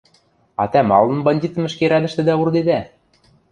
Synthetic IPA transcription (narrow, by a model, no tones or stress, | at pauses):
ɑ̰t̪æmɑ̰lˠːɤ̆nbɑnʲd̪ʲit̪ɤ̆mɘ̆ʃkeɾæd̪ɘ̆ʃt̪ɘ̆d̪æurd̪ed̪æ